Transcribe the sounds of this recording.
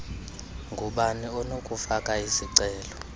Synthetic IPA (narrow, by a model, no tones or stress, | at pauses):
ŋɡʱuɓaniɔnokʼufakʼaisiǀɛːlɔ